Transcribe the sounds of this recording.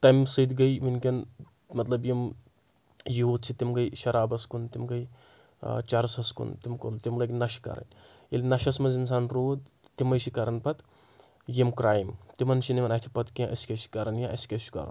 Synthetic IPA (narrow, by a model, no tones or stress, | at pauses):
t̪ɐmsɨd̪ɡɐjminkʲɐn | mɐt̪lɐbjim | jiɦuːd̪̚t͡sʰit̪imɡɐjʃɐɾaːbɐskunt̪imɡɐj | t͡ʃɐɾsɐskṵnt̪imko̰nt̪imlɐkʲnɐʃkɐ̰ɾɐ̰nʲ | ilʲnɐʃɐsmɐzins̬aːnɾoːd̪t̪imɐjsikɐɾɐnpɐt̪ | jimkɾaːjmt̪imɐnʃiniʋɐnaːt̪ʰipɐt̪kãʔɐsi̥kʲɐʃi̥kɐɾɐnjãʔɐ̰skʲɐt͡ʃʰu̥kɐ̰ɾɐ̰n